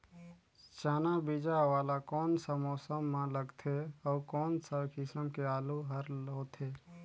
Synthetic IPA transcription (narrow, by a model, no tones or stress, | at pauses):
t͡ʃaːnabid͡ʒaʋaːlakɔːnsəmɔːsəmːãləɡt̪ʰeɔːkɔːnsəkʰisəmkeaːluɦəɾlɦoːt̪ʰeː